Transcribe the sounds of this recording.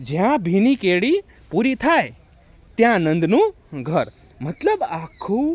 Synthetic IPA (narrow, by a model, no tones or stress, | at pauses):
d͡ʒjãbʱinikeɭi | puɾit̪ʰae | t̪jãnə̃nd̪nũ | ɡʱəɾ | mət̪ləbakʰːũ